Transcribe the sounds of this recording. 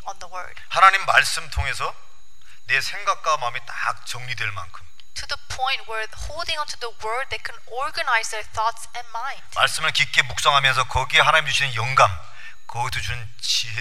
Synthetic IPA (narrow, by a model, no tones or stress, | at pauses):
ə̃nðəwɜ̰˞d̥hanaɲimːaɭs͈ɯmtʰoŋe̞sʰʌ | ne̞sʰe̞ŋɡak̚k͈amametak̚t͡ɕʌŋɲidweɭma̰nkʰɯm | tʰuðəpʰɔ̃j̃nt̚wɛɹ | holˠdɪ̃ŋʌ̃ntʰuðəwɜ˞d̪̚ðekʰɛ̃n | ɔɹɡənaɪzðə˞θɔtsɛ̃nmãɪ̃nnd̥maɭs͈ɯmɯɭkik͈e̞muk̚s͈ʌŋɦamjʌns̬ʰʌkʌɡieɦanaɲimd͡ʑuɕʰinɯnjʌŋɡam | kʌɡitʰot͡ɕunɯn | t͡ɕiɦ